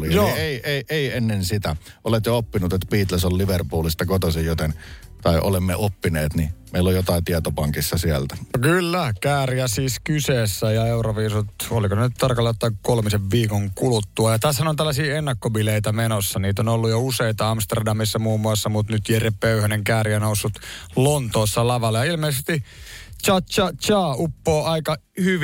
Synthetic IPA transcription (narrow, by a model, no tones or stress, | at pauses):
lijoeiʔeiʔeienːensit̪æ | ʔolet̪joopːinut̪et̪ːpiːt̪lesolliʋerpuːlist̪ɑkot̪osijjot̪ent̪ɑiʔo̰lemːeʔopːineːt̪nimeˑilːojot̪ɑˑit̪iɛt̪opɑŋkisːɑsiælt̪æokylːækæːriæsiːskyseːsːæjɑeuroʋiːsut̪olikosenyt̪t̪ɑrkɑlːɑot̪ːɑkolmiseʋʋiːkoŋkulut̪ːuɑjɑt̪æsːænont̪ælːæsiːenːɑkːobileit̪æmenosːɑniːt̪onolːujouseit̪ɑɑmst̪erdɑmisːɑmuːmːuɑsːɑmut̪nyt̪jerepøyhæneŋkæːriænousːut̪lont̪oːsːɑlɑʋɑlːɑjɑilmeˑisest̪it͡ʃɑt͡ʃɑt͡ʃɑːupːoːʔɑikɑ | hyʋ